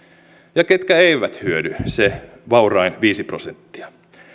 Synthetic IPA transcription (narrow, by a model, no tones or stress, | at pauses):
jɑket̪kæeiʋæt̪hyødyse | ʋɑurɑinʋiːsiprosent̪ːi̥ɑ